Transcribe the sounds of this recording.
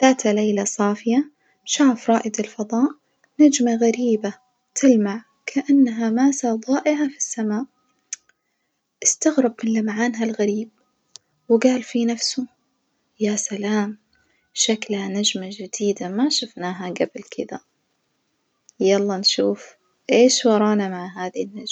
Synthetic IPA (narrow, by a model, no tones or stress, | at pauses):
laːt̪alejlasˤɑːfɪja | ʃaːfɾˤɑːʔɪd̪ɪlfɑðˤɑːʔ | nad͡ʒmaɣaɾiːba | t̪ʰɪlmaʕ | kʰaʔanːɦamaːsaðˤɑːʔɪʕafi̥sːamaːʔ | ʔɪst̪aɣɾˤɑbmɪnlamaʕaːnɦalɣaɾiːb̚ | wɪɡaːlfinafsʊ | jasalaːm | ʃaklhanad͡ʒmad͡ʒɪd̪̥iːd̪amaʃafnaːɦaɡablkʰɪd̪a | jɑlˤːɑnʃuːf | ʔeːʃwɑɾˤɑːnamaʕɦaːðinːad͡ʒ